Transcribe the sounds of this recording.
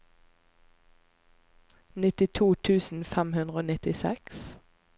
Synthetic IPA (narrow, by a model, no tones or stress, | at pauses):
nɪt̪ɪt̪ʰuːt̪ʰʉːsn̩fɛmhʉnʁəoːnɪt̪ɪsɛks